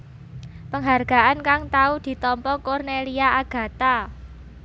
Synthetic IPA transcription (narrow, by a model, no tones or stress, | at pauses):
pəŋɦarɡ̥a̤ʔankaŋt̪aud̪̥i̤t̪ɔmpɔkɔrneliaʔaɡ̥ä̤t̪a